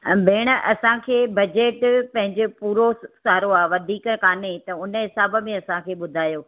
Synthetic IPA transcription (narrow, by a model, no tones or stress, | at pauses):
bʱeːɽ̃əʔɐsãkʰeːbɐd͡ʑeːʈpɐ̃ɦɪ̃ɲd͡ʑopuːɾosaːɾoaːʋɐd̪ʱiːkkaːnet̪ɐʊnəɦɪsaːbə̆mẽɐsãkʰeːɓʊd̪ʱaːjoː